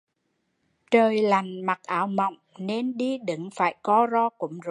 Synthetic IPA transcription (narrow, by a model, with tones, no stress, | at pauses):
t͡ɕəː˨˩jla˨˩jŋ̟ma˨˩k̚ʔaː˨˩˦wmə̰˧˨wŋ͡mne˧nɗi˧ɗɨ̰˨˧˦ŋfaː˧˩jkɔ˨˦zɔ˧kʊ̰˧˥ŋ͡mz